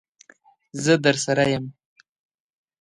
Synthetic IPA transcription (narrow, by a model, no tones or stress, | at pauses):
zəd̪əɾsaɾajəm